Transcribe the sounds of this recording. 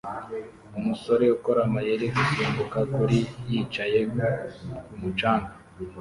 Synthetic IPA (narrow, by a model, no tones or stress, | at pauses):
umuso̞ɾeukoɾamajeɾeɡusuːmbukakuɾijit͡ʃaje | kumut͡ʃaːŋɡa